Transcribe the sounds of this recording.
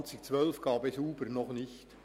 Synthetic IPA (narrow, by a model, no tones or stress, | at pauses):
t͡sɪk̚t͡sʋœlfɡ̥ɑːbɛsuːbəɾnɔχnɪçt